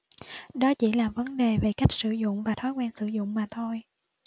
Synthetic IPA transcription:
ɗɔ˨˦t͡ɕi˧˩laː˨˩və˨˦nɗe˨˩ve˨˩ka˦˥jk̟̚sɨ˧˩zʊ̰˧˨ŋ͡mvaː˨˩t̪ʰɔ˨˦jkwɛː˧nsɨ˧˩zʊ̰˧˨ŋ͡mmaː˨˩t̪ʰo˧j

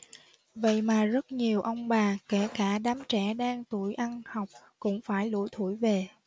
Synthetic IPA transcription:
və̰˧˨jmaː˨˩zə˦˥t̚ɲi˨˩əwʔə˧wŋ͡mɓaː˨˩ke˧˩kaː˧˩ɗaː˨˦mt͡ɕɛ˧˩ɗaː˧ŋt̪ṵ˧˩jʔa˧nha˨˩wk͡p̚ | kʊ̰˧˥ŋ͡mfaː˧˩jlṵ˧˥jt̪ʰṵ˧˩jve˨˩

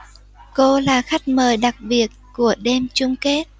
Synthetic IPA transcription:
ko˧laː˨˩xa˦˥jk̟̚məː˨˩jɗa˨˩k̚ɓi˨˩ət̚ku˧˩əɗe˧mt͡ɕʊ˧ŋ͡mke˦˥t̚

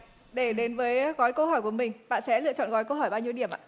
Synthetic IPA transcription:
ɗe˧˩ɗe˨˦nvəː˨˦jɣɔ˨˦jkə˧whɔ˧˩jku˧˩əmï˨˩ŋ̟ɓa̰ː˧˨nsɛ̰˧˥lɨ̰˧˨ət͡ɕɔ̰˧˨nɣɔ˨˦jkə˧wɦɔ˧˩jɓaː˧wɲi˧əwɗi˧˩əmʔa̰ː˧˨

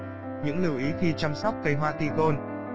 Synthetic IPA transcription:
ɲɨ̰˧˥ŋlɨ˧˩wʔi˨˦xi˧t͡ɕa˧msa˦˥wk͡p̚kə˧˩jɦwaː˧˨t̪ḭ˧˨ɣo˧n

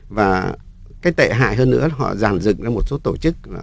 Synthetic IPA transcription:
vaː˨˩ | kaː˨˦jt̪ḛ˧˨ɦa̰ː˧˨jɦəː˧nːɨ̰˧˥ə˨˩ɦɔ̰˧˨zaː˨˩nzɨ̰˧˨ŋzaː˧mo˨˩t̚so˨˦t̪o˧˩t͡ɕɨ˦˥k̚laː˨˩

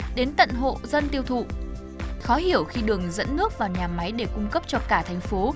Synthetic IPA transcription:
ɗe˨˦nt̪ə̰˧˨nɦo̰˧˨zə˧nt̪i˧əwt̪ʰṵ˧˨ | xɔ˨˦ɦi˧˩əwxi˧ɗɨ˨˩əŋzə̰˧˥nːɨ˦˥ək̚vaː˨˩wɲaː˨˩ma˨˦jɗe˧˩kʊ˧ŋ͡mkə˦˥p̚t͡ɕɔ˧kaː˧˩t̪ʰɛ˨˩jŋ̟fo˨˦

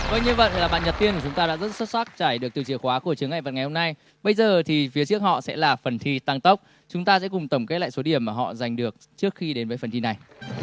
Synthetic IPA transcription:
kɔ˧jɲɨ˧və̰˧˨nlaː˨˩ɓa̰˧˨nɲə˨˩p̪̚i˧ənku˧˩t͡ɕʊ˨˦ŋ͡mt̪aː˧ɗa̰ː˧˥zə˦˥t̚sə˦˥t̚sa˦˥k̚t͡ɕaː˧˩jɗɨ˨˩ək̪̚i˨˩t͡ɕi˧˩əxwaː˨˦ku˧˩ət͡ɕɨ˨˦əŋa˧˨və̰˧˨nŋa˨˩jho˧ŋ͡mna˧j | ɓə˧jzəː˨˩t̪ʰi˨˩fi˨˦ət͡ɕɨ˦˥ək̚hɔ̰˧˨sɛ̰˧˥laː˨˩fə˨˩nt̪ʰi˧t̪a˧ŋt̪ə˦˥wk͡p̚ | t͡ɕʊ˨˦ŋ͡mt̪aː˧sɛ̰˧˥kʊ˨˩ŋ͡mt̪ə˧˩wŋ͡mke˦˥t̚la̰ː˧˨jso˨˦ɗi˧˩əmːaː˨˩ɦɔ̰˧˨za˨˩jŋ̟ɗɨ˨˩ək̚t͡ɕɨ˦˥ək̚xi˧ɗe˨˦nvəː˨˦jfə˨˩nt̪i˧na˨˩j

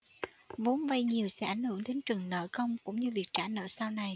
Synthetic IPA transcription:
vo˨˦nva˧jɲi˨˩əwsɛ̰˧˥ʔa˧˩jŋ̟hɨ̰˧˩əŋɗe˨˦nt͡ɕɨ˨˩əŋnə̰ː˧˨kə˧wŋ͡mkʊ̰˧˥ŋ͡mɲɨ˧vi˨˩ək̚t͡ɕaː˧˩nə̰ː˧˨˩saː˧wna˨˩j

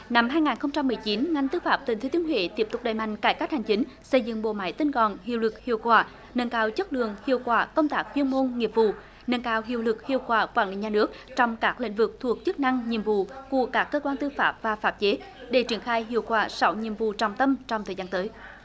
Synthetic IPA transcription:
na˧mɦaː˧jŋaː˨˩nxə˧wŋ͡mt͡ɕa˧mːɨ˨˩əjt͡ɕi˨˦nŋa˧jn̟t̪ɨ˧faː˦˥p̚t̪i̟˨˩t̪ʰt̪i˨˦ənɦwḛ˧˨t̪i˦˥əp̚t̪ʊ˨˩k͡p̚ɗa̰ː˨˩jma̰˧˨jŋ̟kaː˧˩jkaː˦˥k̚ha˨˩jŋ̟t͡ɕi˨˦ŋ̟sə˧jzɨ̰˧˨ŋɓo̰˧˨ma̰ː˧˦jt̪i˧nkɔ˨˩nhḭ˧˨əwlɨ˨˩k̚hḭ˧˨əwkwaː˧˩ | nə˧˨˩nkaː˧wt͡ɕə˦˥t̚lɨ̰˧˨əŋhḭ˧˨əwkwaː˧˩kə˧wŋ͡mt̪aː˦˥k̚vi˧ənmo˧nŋi˨˩əp̚vṵ˧˨ | nə˨˧˩nkaː˧wɦḭ˧˨əwlɨ˨˩k̚hḭ˧˨əwkwaː˧˩kwaː˧˩nlḭ˧˨˩ɲaː˨nɨ˦˥ək̚t͡ɕɔ˧wŋ͡mkaː˦˥k̚lḭ˧˥ŋ̟vɨ˨˩k̚t̪ʰu˨˩ək̚t͡ɕɨ˦˥k̚na˧ŋɲḭ˧˨əmvṵ˧˨ku˧˩əkaː˦˥kːəː˧kwaː˧nt̪ɨ˧faː˦˥p̚vaː˨˩faː˦˥p̚t͡ɕe˨˦ | ɗe˧˩t͡ɕi˧˩ənxaː˧jɦḭ˧˨əwkwaː˧˩sɔ˨˦wɲḭ˧˨əmvṵ˧˨t͡ɕɔ˨˧˩wŋ͡mt̪ə˧mt͡ɕɔ˧wŋ͡mt̪ʰəː˨˩jzaː˧nt̪əː˨˦j

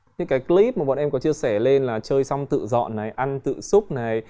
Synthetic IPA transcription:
ɲɨ̰˧˥ŋkaː˨˦jkli˦˥p̚maː˨˩ɓa̰ː˧˨nʔɛ˧mkɔ˨˦t͡ɕɨ˧əsɛ˧˩le˧nlaː˨˩t͡ɕəː˧jsa˧wŋ͡mt̪ɨ̰˧˨zɔ̰˧˨nːa˨˩jʔa˧nt̪ɨ̰˧˨sʊ˦˥k͡p̚na˨˩j

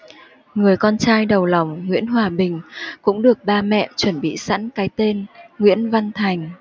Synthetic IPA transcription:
ŋɨ˨˩əjkɔ˧nt͡ɕaː˧jɗə˨˩wla˨˩wŋ͡mŋwḭ˧˥ənɦwaː˨˩ɓï˨˩ŋ̟kʊ̰˧˥ŋ͡mɗɨ˨˩ək̚ɓaː˧mɛ̰˧˨t͡ɕwə˧˩nɓḭ˧˨sa̰˧˥nkaː˨˦jt̪e˧nŋwḭ˧˥ənva˧nt̪ʰa˨˩jŋ̟

